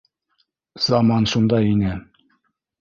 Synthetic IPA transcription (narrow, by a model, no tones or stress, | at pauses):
z̥ɑmɑnʃund̪ɑjinɘ